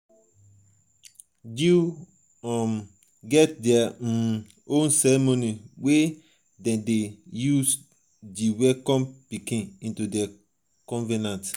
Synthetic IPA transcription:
du | m | ɡɛt̚dɛa | õnsɛɹɛmoniwe | dɛ̃ndejus | diwɛkɔ̃mpikĩnĩntudɛ | kɔ̃nvɛnãnt

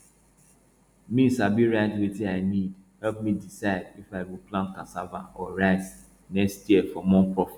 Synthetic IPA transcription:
mĩsabiɹaɪtwetiaɪnidhɛlp̚midisaɪdifaɪwilplãnkãsava̰ɔɹaɪz | nɛkstjiəfɔmɔ̃npʰɹɔfi̥t

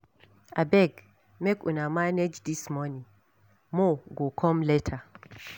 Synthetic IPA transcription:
abɛɡ | mɛkunamaned͡ʒdismɔnĩŋ | moɡokʰɔmlɛtʰa

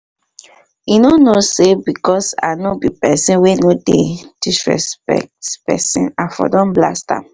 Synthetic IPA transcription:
inonosebikɔsa̰nobipɛsĩnwenoded̥isɹɛ̰spɛ̰k̚tpɛ̰sḭ̃nafɔ̰dɔ̃nbla̰stã̰

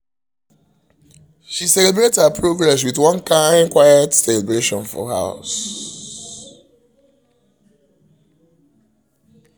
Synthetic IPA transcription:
ʃisɛlɛbɹetshapʰɹoɡɹɛs̬wiðwʌ̃nkʰãɪ̃nkwaɪətsɛlɛbɹeʃɔ̃nfɔ̰ha̰ʊs

